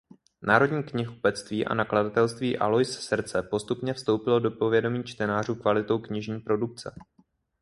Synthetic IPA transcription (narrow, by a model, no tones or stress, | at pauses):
nʔaːɾo̞dɲiːkɲɪxupɛt͡st̪viːʔa̰nakladat̪ɛlst̪viːʔa̰lo̞jssɾ̩t͡sɛpo̞st̪upɲɛfst̪o̞wpɪlo̞do̞po̞vjɛdo̞miːt͡ʃt̪ɛnaːr̝uːkvalɪt̪o̞wkɲɪʒɲiːpɾo̞duk̚t͡sɛ̰